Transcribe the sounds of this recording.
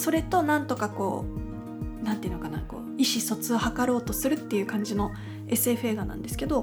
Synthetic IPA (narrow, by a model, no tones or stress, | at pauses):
so̞ɾe̞t̪o̞nãnt̪o̞kako̞̰ː | nãnt̪eiɯ̟nokana̰ko̞̰ːiɕiso̞t͡sɨohakaɾo̞ːt̪o̞sɨɾɯ̟t̪ːe̞jɯ̟ːkãɲ̟d͡ʑino̞ | e̞sɨe̞ɸɯ̟e̞ːɡanã̰nd̪e̞sɨ̥ke̞d̪o̞